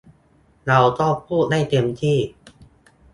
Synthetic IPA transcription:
ɾa˧wt̪ɔ˥˩ŋpʰuː˥˩t̪̚da˥˩jt̪e˧mt̪ʰiː˥˩

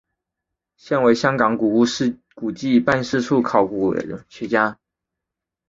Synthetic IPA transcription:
ɕjɛ˥˩nwe˧˥ɪɕjɑ˥ŋkɑ˨˩ŋku˨˩u˥˧˥ | ku˨˩t͡ɕi˥˩i˧˥pa˥˧nʂɻ̩˥˧ʈ͡ʂʰu˥˩kʰɑ˨˩ʊkṵ˨˩˨t͡ɕʰɥɛ˧˥t͡ɕja˥

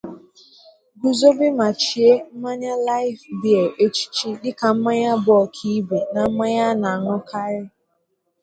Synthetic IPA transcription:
ɡu˨zo˦bɪ˦ma˨t͡ʃi˨e˦m̩˦ma˦ɲa˦la˦ɪ˦fbi˨e˨ʔe˦t͡ʃi̥˦t͡ʃi˦dɪ˦ka˨m̩˦ma˦ɲa˦bɔ˦˨kʰi˦be˨na˨m̩˦ma˦ɲa˦na˨a˨ŋʊ˦ka˦ɾɪ˦

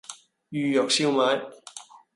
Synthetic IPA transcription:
jyː˨˧jɔː˨k̚siː˧wmaː˨˧˥j

